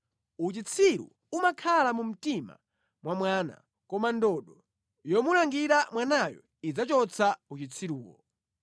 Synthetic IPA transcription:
ut͡ʃit͡sʰiɾṵ | umakʰalamum̩tima̰ | mwamwaːna̰ | kɔmandɔɗɔ | jɔmulaŋɡiɾamwanajɔ̰ | id͡zat͡ʃɔt͡sʰaut͡ʃit͡sʰiɾuːkɔ̰

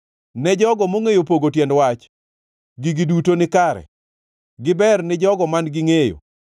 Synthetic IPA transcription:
nɛd͡ʒɔɡɔmoŋejopoɡotjɛndwat͡ʃ | ɡiɡidutonɪkaɾɛ̰ | ɡɪbɛrnɪd͡ʒɔɡɔmanɡɪŋejo̰

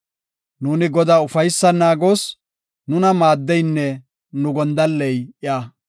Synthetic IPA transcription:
nuːnɪɡɔd̪aːʊfɐjsːɐnaːɡo̞ːs | nʊnɐmaːd̪ːɛjnːɛ | nʊɡɔnd̪ɐlːɛjʔɪjaː

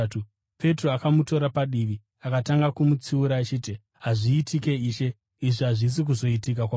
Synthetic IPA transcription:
u | pe̞tro̞akamuto̞ɾapaɗiʋi | akataŋɡakumut͡siuɾaːt͡ʃiːti | ɦaʐiːtʰike̞iːʃe̞ | iʐiɦaʐis̬ik̬uzo̞itik̬akwa

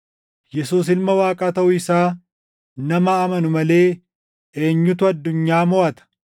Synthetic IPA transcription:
jɛsuːs̬ɪlmɐwaːkʼaːt̪ɐʔʊɪsaː | nɐmɐːmɐnʊmɐle̞ː | eːɲːʊt̪ʊɐd̪ːʊɲːaːmɔʔɐt̪ɐ̥

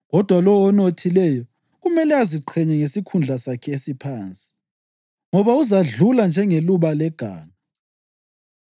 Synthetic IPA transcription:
ɣɔd̥ʱwalɔwɔnotʰilɛjɔ | ɣumɛlɛaziǃʰɛɲɛŋesikʰund͡ɮʱasakʰɛesipʰaːnt͡sʼi̥ | ŋɔβauzaɮuland͡ʒʱɛŋeluβalɛɡ̥ʱa̰ːna

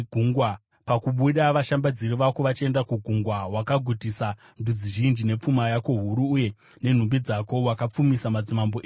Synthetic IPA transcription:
ɡʱuŋɡwa | pakuɓuɗaʋaʃambad͡ziɾiʋakoʋat͡ʃe̞ndakuɡʱuŋɡwawakaɡʱutisa | ndud͡ziʒind͡ʒine̞p͡fumajako̞ɦuɾuːje̞ | ne̞n̤umbid͡zako̞wakap͡fumisamad͡zimamboʔeː

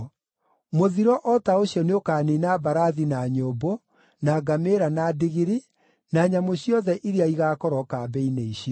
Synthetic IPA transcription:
moðiɾɔʔɔtaoɕjɔneokaːninabaɾaðinaɲobo | naɡameɾanadiɣiɾi | naːɲamoɕjɔðɛʔiɾeaiɣaːkɔɾɔkabɛineiɕiɔ

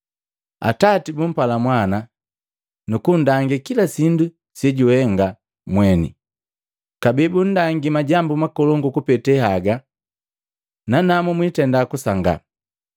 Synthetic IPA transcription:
a̰tatibum̩palamwana | nukundaŋɡikilasindu | sɛɟuhɛŋɡa | mwɛnḭ | kabɛbun̩daŋɡimaɟambumakɔlɔŋɡukupɛtɛhaɡa | nanamumwitɛndakusaŋɡa̰

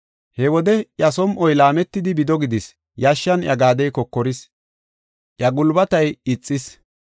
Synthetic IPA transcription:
hɛwɔd̪ɛʔjɐsɔmʔɔjlaːmɛt̪ːɪd̪ɪbɪd̪ɔɡɪd̪ɪs | jaʃːɐnjɐɡaːd̪ɛjkɔkːɔɾɪs | ʔjɐɡʊlbɐt̪ɐjɪt͡sʼːɪs

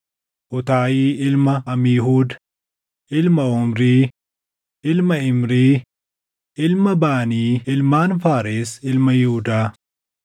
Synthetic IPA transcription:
ʔʊt̪aːjiːʔɪlmɐʔɐmiːɦuːd̪ | ʔɪlmɐʊmɾiː | ʔɪlmɐɪmɾiː | ʔɪlmɐbaːniːɪlmaːnfaːɾeːsɪlmɐjʊhʊd̪aː

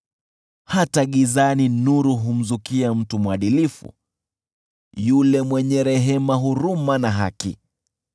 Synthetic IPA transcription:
hataɠizaninuɾuɦum̩zukiam̩tumwaɗilifṵ | julɛmwɛɲɛɾɛɦɛmaɦuɾumanaɦakḭ

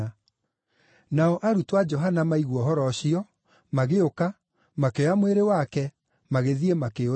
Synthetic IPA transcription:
naɔʔaɾutwad͡ʒɔɦanamaiɣwɔɦɔɾɔɕiɔ | maɣeoka | makeɔamweɾewakɛ | maɣeðiemakeo

